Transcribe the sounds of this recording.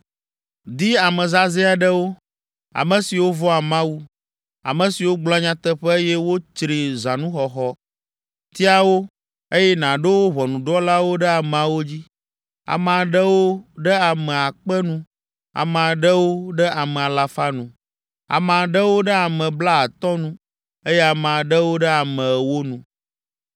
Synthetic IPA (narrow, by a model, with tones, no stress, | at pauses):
d̪i˦a˨mɛ̃˨za˦zɛ˦a˨ɖɛ˦wo˦ | a̰˨mɛ̃˨si˨wo˦vɔ˦a˨mã˦wu˦ | a̰˨mɛ̃˨si˨wo˦ɡ͡bla˦ɲã˦t̪ɛ˦ɸɛ˦e˦jɛ˦wo˦t͡ʃɾi˨zã˨nũ˦xɔ˨xɔ˦ | t̪i˦a˦wo˦ | e˦jɛ˦nã˨ɖɛ˦wo˦βɔ˨nũ˨ɖɔ˦la˦wo˦ɖɛ˦a˨mɛ̃˨a˨wo˦d͡ʑi˦ | a̰˨m˨ã˨ɖɛ˦wo˦ɖɛ˦a˨mɛ̃˨a˨k͡pɛ˦nũ˦ | a̰˨m˨ã˨ɖə˦wo˦ɖɛ˦a˨mɛ̃˨a˨la˨fa˦nũ˨ | a̰˨mã˨ɖə˦wo˦ɖɛ˦a˨mɛ̃˨bla˦a˨t̪ɔ˦nũ˦ | e˦jɛ˦a˨mã˨ɖə˦wo˦ɖɛ˦a˨mɛ̃˨wo˦nũ˨